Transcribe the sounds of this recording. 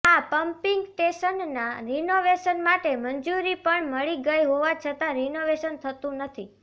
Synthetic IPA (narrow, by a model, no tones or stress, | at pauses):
apəmpiŋɡʈeʃənːaɾinoʋeʃənmaʈeməɲd͡ʒuɾipəɳməɭiɡəjɦoʋat͡ʃʰət̪aɾinoʋeʃənt̪ʰət̪ũnət̪ʰi